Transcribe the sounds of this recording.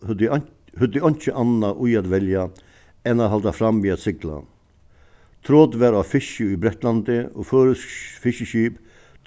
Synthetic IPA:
hʉd̪əɔnt͡ʃəʔɑnːɑʔuːjɑt̪ʋɛljɑ | ɛnɑt̪hɑld̪ɑfɾɑmʋiːɑt̪sɪɡla̰ | t̪ʰɾoːd̪ʋæɾafɪʃəibɾɛt̪lɑnd̪əoːføːɾəsfɪʃəɕyːp̪

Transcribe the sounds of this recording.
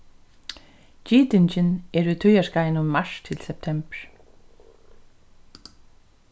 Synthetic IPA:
t͡ɕiːt̪ɪnt͡ʃɪnɛɹʉt̪ʰœjaskajnʊmːaʃt̪ʰɪlsɛp̚t̪ʰɛmpɹ̥

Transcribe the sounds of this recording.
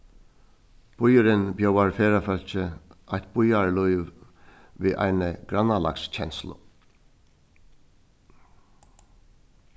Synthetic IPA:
b̥ʊjəɾənbjœʊɑɹfeːɾɑfœl̥çəʔæɪt̪̚b̥ʊjɑɹluʏʋ | ʋeːʔæ̰ɪnəɡ̥ɾɑnɑlɑ̰ksc͡çʰɛnslʊ̰

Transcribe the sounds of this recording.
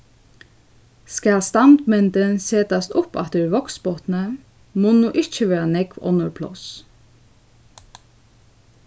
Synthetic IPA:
skalst̪amt̪mɛnt̪ənseːt̪ast̪ʊpɑ̰t̪əɹʋɔksbɔt̪nə | moːnuːʔɪt͡ʃəʋeːɹanɛkʋɔ̰nːəɹpʰlɔ̰s

